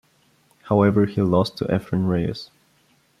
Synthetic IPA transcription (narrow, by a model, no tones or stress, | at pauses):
haʊɛvə˞hilɔstʰəʔɛ̰fɹə̃nɹeɪs